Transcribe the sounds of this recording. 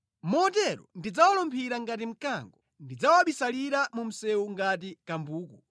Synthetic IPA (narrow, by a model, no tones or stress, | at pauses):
mɔtɛɾɔ̰ndid͡zawalɔmpʰiɾaŋɡat̬im̩kaŋɡɔ | ndid͡zawaɓisaliɾamum̩sɛuŋɡat̬ikambuːku